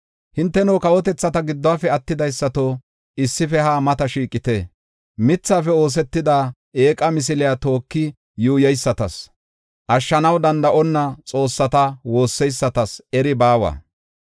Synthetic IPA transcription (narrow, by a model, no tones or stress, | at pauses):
hɪnt̪ːɛnoːkɐwɔt̪ɛt͡sːɐt̪ɐɡɪd̪ːɔaːfɛɐt̪ːɪd̪ɐjsːɐt̪o | ɪsːɪfɛhaːmɐt̪ɐʃiːkʼːɪt̪e | mɪt͡sːaːfɛo̞ːs̬ɛt̪ːɪd̪aː | eːkʼɐmɪs̬ɪlɪjat̪o̞ːkːɪ | juːjɐjsːɐt̪ɐs | ʔɐʃːɐnɐwd̪ɐnd̪ɐʔɔnːɐt͡sʼo̞ːsːɐt̪ɐwo̞ːsːɛjsːɐt̪ɐsɛɾɪbaːwɐ̰ː